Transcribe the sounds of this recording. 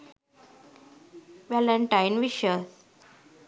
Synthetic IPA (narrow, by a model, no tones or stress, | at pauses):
ʋɛləɳʈajnʋiʃəs